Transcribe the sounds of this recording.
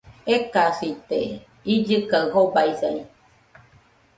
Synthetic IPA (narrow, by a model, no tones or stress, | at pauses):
ekasit̪ḛ | id͡ʒɨkaɯhobaisa̰j